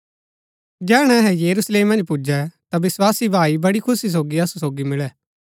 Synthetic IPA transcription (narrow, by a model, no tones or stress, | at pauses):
d͡ʒɛːɽ̃ɛ̃ɦɛ̃jeːɾuːsleːmːɐ̃nd͡ʒpud͡ʒɛt̪abɪswaːsibʱaːibɐɽikʰʊsis̬oːɡiɐsusoːɡimɪɭɛː